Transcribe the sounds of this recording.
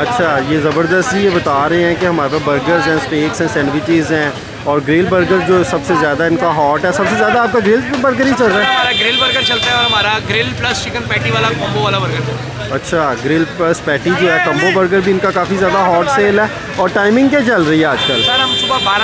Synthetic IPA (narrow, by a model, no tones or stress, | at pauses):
ɐtːʃʰaːjeːzɐbəɾd̪əst̪ijebɐt̪aːɾɐɦẽɦɛ̃keɦɐmaːɾpebəɾɡəɾzɦɛ̃ːspeːksɦɛ̃ːsɛ̃ːnʋɪt͡ʃɪzɦɛ̃ː | ɔːɾɡɾɪlbəɾɡəɾd͡ʒoːsɐbsezjaːd̪aɦɛɪnkaɦɔːʈɦɛsɐbsezjaːd̪aːp̚kaɡɾɪlbəɾɡəɾɦit͡ʃɐlɾaɦɛːɦɐaːɾaɡɾɪlbəɾɡəɾt͡ʃɐlt̪aɦɛ̃ɔːɾɦɐmaːɾaɡɾɪlplɐst͡ʃɪkənpɛːʈiʋaːlakɐ̃mboʋaːlabɐɾɡəɾd͡ʒɐ | ɐtːʃʰaːɡɾɪlplɐspɛːʈid͡ʒoːɦɛːkɐ̃mbobəɾɡəɾbʱiɪnkakaːfizjaːd̪aɦɔːʈseːlɦɛː | ɔːɾʈaːɪmɪ̃ŋɡket͡ʃɐlɾɐɦiɦɛaːd͡ʒkəlɐɐmsʊbabaːɾ